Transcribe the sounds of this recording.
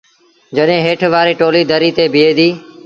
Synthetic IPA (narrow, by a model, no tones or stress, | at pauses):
d͡ʒəɗẽːɦeːʈʰʋaːɾeːʈoːliːd̪ʱəɾiːt̪eːbʱɪeːd̪iː